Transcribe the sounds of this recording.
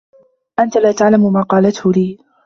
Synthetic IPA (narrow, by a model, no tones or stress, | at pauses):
ʔant̪alaːt̪aʕlamʊmaːqɑːlat̪hʊliː